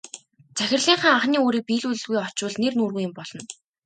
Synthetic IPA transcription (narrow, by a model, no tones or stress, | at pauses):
t͡sæxʲɪ̆rɮiːŋχaːŋaχniːoːɾiːk̚piːɮuɮɘ̆ɮɣujɔt͡ɕʊ̆ːɮnernuːrɣujɪ̆mpɔɮɞ̆n